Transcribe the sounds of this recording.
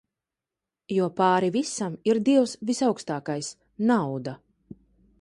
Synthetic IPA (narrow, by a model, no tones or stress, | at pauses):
juɔpaːɾivisamiɾd̪iɛwsvisawkst̪aːkajs | nawd̪a